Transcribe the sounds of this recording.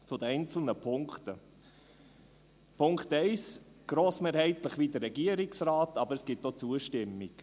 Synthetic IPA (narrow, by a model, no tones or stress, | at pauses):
t͡sʊd̪ɛɪnt͡sl̩nəpʰʊŋkt̪ə | pʰʊŋkχtɛɪs | ɡ̥ɾoːsmeːɾhɛɪtləχʋiːd̪əɾːɛɡiəɾɪksrɑːtɑbəɾəsɡ̥ɪtːot͡suəʃtɪmːik